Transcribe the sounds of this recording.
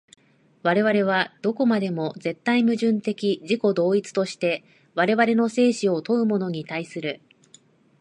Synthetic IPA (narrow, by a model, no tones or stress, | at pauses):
βaɾe̞βaɾe̞β̞ad̪̥o̞ko̞mad̪e̞mo̞ze̞t̪ːaimɯ̟ʑɨ̃nt̪e̞kʲiʑiko̞d̪o̞ːit͡sɨ̥t̪o̞ɕi̥t̪e̞ | βaɾe̞βaɾe̞no̞se̞ːɕio̞t̪o̞ɯ̟mo̞no̞ɲ̟it̪aisɨɾɯ̟